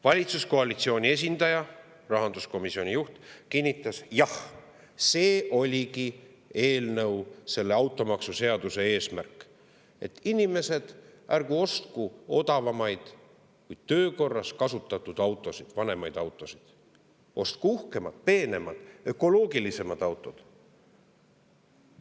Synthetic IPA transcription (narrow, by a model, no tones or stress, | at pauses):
vɑlʲit̪susko̞ɑlit̪sio̞ːnʲie̞s̬ʲind̪̥ɑjɑ | rɑɦɑnd̪usko̞misio̞nʲijuht̪kinʲːit̪ːˑɑsjɑh | se̞ːʔo̞lʲiki | e̞ːlnɤwse̞lːe̞ɑwt̪ːˑo̞mɑksuse̞ɑd̪̥use̞e̞ːsmærkˑ | e̞̰t̪ːˑinime̞se̞d̪̥ʔærɡ̥uo̞st̪kuo̞d̪ɑvɑmɑjd̪̥ | kuj̪̥t̪ø̞ːko̞rːɑskɑsut̪ːˑɑt̪ːˑud̪̥ɑwt̪ːˑo̞sid̪̥vɑne̞mɑjd̪̥ɑwt̪ˑo̞sid̪̥ | o̞st̪̚kuuhke̞mɑd̪̥̚pe̞ːne̞mɑd̪̥ø̞ko̞lo̞ːɡilise̞mɑd̪̥ɑwt̪ːˑo̞d̪̥